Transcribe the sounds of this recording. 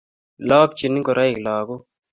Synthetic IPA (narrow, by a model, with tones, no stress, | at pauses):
lɔ˦k̚t͡ʃi˨ni˦ŋkɔ˨ɾa˦i˨klɔ˨ɡɔ˦